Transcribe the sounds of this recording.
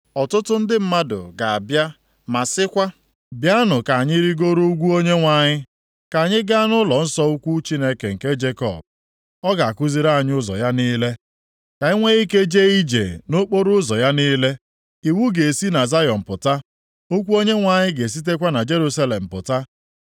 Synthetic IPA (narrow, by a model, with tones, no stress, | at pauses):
ɔ˨tʊ˦tʊ˦n̩˦dɪ˦m̩˦ma˦dʊ̰˨ɡa˨a˨bja˦ | ma˨sɪ˦kʷa˦ | bja˦nʊ˨ka˨ɲɪ˦ɾi˦ɡo˦ɾo˦ɡʷu˦o˦ɲe˦ŋʷa˨ɲɪ˦ | ka˨ɲɪ˦ɡa˦nʊ˦lɔ˨n̩˦sɔ˦u˦kʷu˦t͡ʃi˦ne˦ke˨ŋ̩˨ke˦d͡ʒe˦kɔ̰˨b̚ | ɔ˦ɡa˨a˨kʊ˦zi˦ɾa˦a˨ɲ˦ʊ˦zɔ̰˨ja˦niː˦le˦ | ka˨i˦ŋʷe˦i˦ke˦d͡ʒe˦i˦d͡ʒḛ˨no˦k͡po˦ɾʊ˦zɔ˨ja˦niː˦le˦ | i˨wu˦ɡe˨si˦na˨za˦jɔ˨m̩˨pʊ˨ta˦ | o˦kʷu˦o˦ɲe˦ŋʷa˨ɲɪ˦ɡe˨s̬i˦t̬e˦kʷa˦na˨d͡ʒe˦ɾu˦sa˦le˨m̩˨pʊ˨ta˦